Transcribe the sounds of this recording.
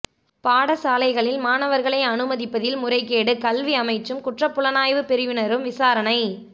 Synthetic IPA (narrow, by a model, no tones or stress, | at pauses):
paːɽɐsaːlɐɪɣɐɭɪlmaːnɐʋɐɾɣɐɭɐɪɐnɯmɐðɪpːɐðɪlmʊrɐɪkeːɽɯkɐlʋiɐmɐɪt͡ʃːɯmkʊʈrɐpːʊɭɐnaːjʋɯpɛɾɯjɯnɐɾɯmʋɪsaːɾɐnɐɪ